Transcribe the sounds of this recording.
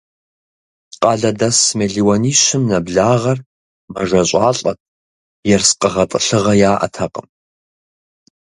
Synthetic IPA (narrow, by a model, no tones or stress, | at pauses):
qʼɑːɮɐdɐsmeɮiwɐniːɕɪmnɐbɮaːʁɐr | mɐʒɐɕʼɑːɬʼɐt̚ʰʼ | jɛrsqʼəʁɐtʼəɬɨʁɐjaːʔɐ̰tʰɐqʼəm